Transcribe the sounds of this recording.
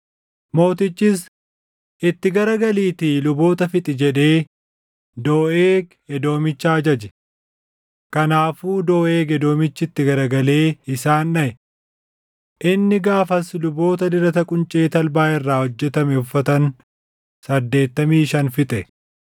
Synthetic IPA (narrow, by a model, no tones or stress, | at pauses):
mo̞ːt̪ɪt͡ʃːɪs | ʔɪt̪ːɪɡɐɾɐɡɐliːt̪iːlʊbo̞ːt̪ɐfɪt̪ʼɪd͡ʒɛᶑe̞ː | d̪o̞ːʔeːk | ɛd̪o̞ːmɪt͡ʃːaːd͡ʒɐd͡ʒɛ̥ | kɐnaːfuːd̪o̞ːʔe̞ːɡɛd̪o̞ːmɪt͡ʃːɪɪt̪ːɪɡɐɾɐɡɐle̞ːɪsaːnːɐʔɛ | ʔɪnːɪɡaːfɐslʊbo̞ːt̪ɐd̪ɪɾɐt̪ɐkʼʊnt͡ʃʼe̞ːt̪ɐlbaːɪrːaːhɔd͡ʒːɛt̪ɐmɛʊfːɐt̪ɐn | sɐd̪ːe̞ːt̪ːɐmiːʃɐnfɪt̪ʼɛ